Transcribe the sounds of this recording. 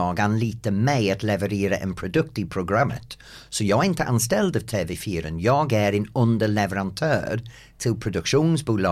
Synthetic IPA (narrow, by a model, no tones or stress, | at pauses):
ɑːɡanliːt̪əmɛɪat̪lɛvəɾeːɾə̰ʔɛ̰npʰɾʊd̪ɵk̚t̪ipʰɾʊɡɾamːə̰t̪ | sɔjɑːɡɛɾɪnt̪əʔanst̪ɛld̪ɑvt̪ʰeːvɛːfiːɾə̰njɑːɡæɾɛnɵnd̪əlɛvəɾant̪ʰœ̰ːɾ | t̪ʰɪlpʰɾʊd̪ɵkʃuːnsbuːlɑː